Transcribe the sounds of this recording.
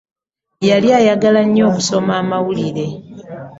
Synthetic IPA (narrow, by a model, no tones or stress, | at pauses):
jaljaːjaɡalaɲːo̞ːkuso̞maːmawuliɾe̞